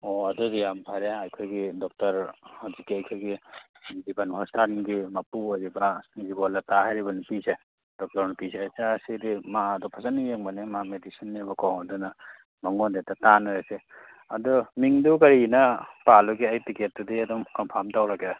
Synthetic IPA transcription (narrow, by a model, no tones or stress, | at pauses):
oɐdɔɾijampʰaɾeajkʰɯɾɡidɔk̚tɐɾazikːiajkʰɯɾɡi | bibanhɔstanɡimapuazibazibɔlatahajɾibɐnipise | d̥ɔk̚tɔɾnupizesasidimadɔpʰasanːijeŋbanimamedisinːibɔkawmadɔna | maŋɔndetatanaɾese | ɐdɔmiŋdukɐɾinɐpalɔɡiajtiket̚dudiadɔmkɔmpʰamtawlake